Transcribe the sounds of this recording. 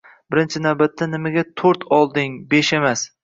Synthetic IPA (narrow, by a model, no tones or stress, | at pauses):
bɪɾɪnt͡ʃʰɪnawbat̪ʰːanɪmaɡʲat̪ʰoɾt̪ʰɒlˠd̪ɪŋbeʃe̞mas